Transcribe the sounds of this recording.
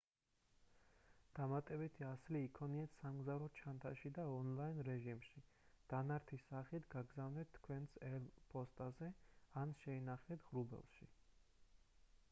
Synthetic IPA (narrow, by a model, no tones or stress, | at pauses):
d̪̥amat̪ʼɛbit̪ʰiasliːkʰɔniɛt̪ʰsamɡzavɾɔt͡ʃʰant̪ʰaʃid̪aɔnlˠainɾɛʒimʃi | d̪̥anaɾt̪ʰisaχit̪ʰɡaɡzavnɛt̪ʰːkʰwɛnsɛlpʰʼɔst̪ʼazɛanʃɛinaχɛt̪ʰʁɾubɛ̰lˠʃi